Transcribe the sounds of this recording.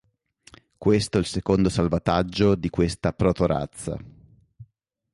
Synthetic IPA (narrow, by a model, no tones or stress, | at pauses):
kwest̪oilsekond̪osalvat̪ad͡ʒːod̪ikwest̪apɾot̪oɾa̰t̪sːa̰